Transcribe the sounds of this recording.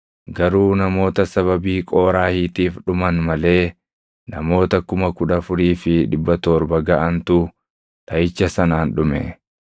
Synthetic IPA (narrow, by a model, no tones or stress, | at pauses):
ɡɐɾuːnɐmo̞ːt̪ɐsɐβɐbiːkʼo̞ːɾaːhiːt̪iːfɗʊmɐnmɐle̞ː | nɐmo̞ːt̪ɐkʊmɐkʊᶑɐfʊɾiːfɪᶑɪbːɐt̪oːɾbɐɡɐʔɐnt̪ʊ | t̪ʰɐjɪt͡ʃːɐsɐnaːnᶑʊmɛ̰